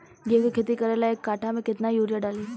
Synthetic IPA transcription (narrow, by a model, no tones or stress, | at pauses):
ɡekekʰet̪ikɐɾelaeːkːaːʈʰamẽkɪt̪najuːɾjaɖaːliː